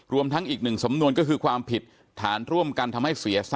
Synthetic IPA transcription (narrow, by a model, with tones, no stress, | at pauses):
ɾu˧əmt̪ʰa˦˥ŋʔiː˨˩k̚nɯ˨˩ŋsa˩˦mnu˧ənkɔ˥˩kʰɯː˧kʰwaː˧mpʰi˨˩t̪̚ʰːaː˩˦nɾu˥˩əmka˧nt̪ʰa˧mɦa˥˩jsi˩˦ɐsa˥